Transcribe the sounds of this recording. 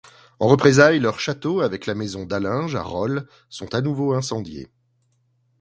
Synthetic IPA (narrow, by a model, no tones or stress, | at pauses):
ɑ̃ʁəpχezajlœʁʃat̪oavɛklamɛzɔ̃d̪alɛ̃ʒa̰ʁɔl | sɔ̃t̪anuvoɛ̃sɑ̃d̪jḛ